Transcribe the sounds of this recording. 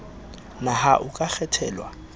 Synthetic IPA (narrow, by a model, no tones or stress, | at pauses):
nahaʔʊkʼak͡xʰɛtʰɛːlwa̰